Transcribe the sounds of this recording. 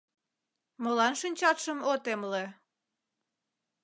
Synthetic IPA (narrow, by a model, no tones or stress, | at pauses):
molɑnʃynʲt͡ɕɑt̪ʃəmot̪emle